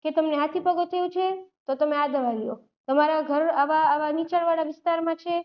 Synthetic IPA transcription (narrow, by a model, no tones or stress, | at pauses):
ket̪əmneɦat̪ʰipəɡot̪ʰəjũt͡ʃʰet̪ot̪əmẽad̪ʱəʋaʋjo | t̪əmaɾaɡʱəɾaʋaːʋanit͡ʃəɽʋaɽaʋɪst̪aɾmãt͡ʃʰe